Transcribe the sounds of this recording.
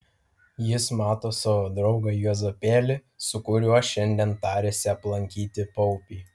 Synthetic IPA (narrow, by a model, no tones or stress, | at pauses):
jɪsmɑːt̪oːsɐʋoːd̪ɾɒʊɡɐjuɔzɐpʲeːlʲɪ | sʊkʊɾʲuɔʃʲɛnʲd̪ʲɛnt̪ɑːɾʲeːsʲɪɐplˠɐŋʲkʲiːt̪ʲɪpɔʊpʲiː